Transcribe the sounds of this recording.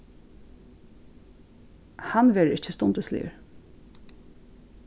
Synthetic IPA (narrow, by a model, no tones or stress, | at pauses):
hɑnʋeːɹəɪçəst̪ʊnd̪əslḭːə̰ɹ